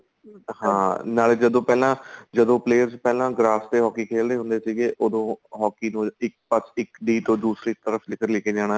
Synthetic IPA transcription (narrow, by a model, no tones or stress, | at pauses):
hãːnaːled͡ʒəd̪õːpɛːlãːd͡ʒəd̪õːpleːəɾzpɛːlãːɡɾaːst̪eːɦɔːkiːkʰeːld̪eːɦʊ̃nd̪eːsiːɡeːʔoːd̪õːɦɔːkiːnũːɪk̚pəsɪkɖiːt̪õːd̪uːsɾiːɪk̚t̪əɾəfʰlɪkəɾleːkeːd͡ʒaːɽ̃a